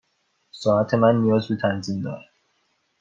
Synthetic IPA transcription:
sɒːæt̪ʰe̞mænːijɒːzbit̪ʰænziːnd̪ɒ̰ːɾæ̥

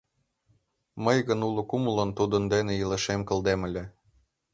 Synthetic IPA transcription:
məjɣə̆nulɤ̆kumlɤ̆nt̪ud̪ə̆nd̪eneilĕʃemkɤ̆ld̪emɘ̆lʲĕ

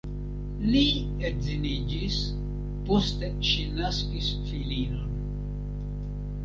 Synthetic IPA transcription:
li | ezinid͡ʒis | posteʃinaskisfilino̞n

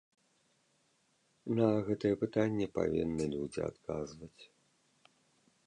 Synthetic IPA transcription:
nɐɣɛt̪ɨjɛpɨt̪anʲːɛpa̰vʲḭnːɨlʲud͡zʲḭa̰t̪kazvɐt͡sʲ

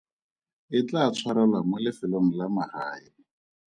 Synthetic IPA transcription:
ɪt͡ɬat͡sʰwaɾalwamʊlɪfɪloŋ̩lamahaːɪ

